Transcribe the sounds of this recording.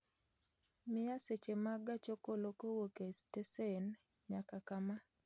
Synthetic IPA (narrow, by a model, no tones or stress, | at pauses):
mɪjaset͡ʃemaɡat͡ʃokolokowokestesen | ɲakakama